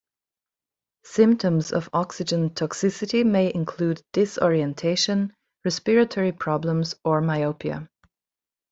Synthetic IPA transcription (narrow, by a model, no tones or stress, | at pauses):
sɪ̃mp̚tʰə̃mzʌ̰vɑksɨd͡ʒə̃ntʰɑksɪsɨɾimeɪʔɪ̃nkʰl̥udɪsɔ̰ɹiɨ̃ntʰeɪʃə̃n | ɹɛspɪɹɨtʰɔɹipʰɹ̥ɑblə̃mzə˞maɪoʊpʰiə̰